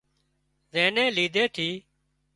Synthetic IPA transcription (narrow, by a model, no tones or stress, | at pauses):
zẽːnẽːliːd̪ʱeːt̪ʰiː